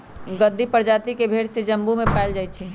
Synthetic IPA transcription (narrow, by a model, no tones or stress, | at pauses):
ɡəd̪ːipəɾd͡ʒaːt̪ikebʱeːɽsed͡ʒəmbumẽpɛːld͡ʒaːit͡ʃʰi